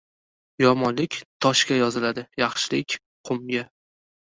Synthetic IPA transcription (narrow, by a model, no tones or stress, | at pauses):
jɒmɒnlɪkʲt̪ʰɒʃkʲajɒzɪlad̪ɪjɑχʃɪlɪkʲ | qʰʊmɡʲa